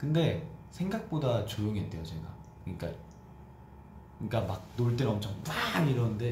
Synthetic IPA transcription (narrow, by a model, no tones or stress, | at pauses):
kɯnde̞sʰe̞ŋɡak̚p͈odat͡ɕojoŋɦet͈e̞jot͡ɕe̞ɡa̰ | kɯɲik͈a̰ | kɯɲik͈amak̚noɭt͈enʌmt͡ɕʰʌŋpaniɾʌnɯnde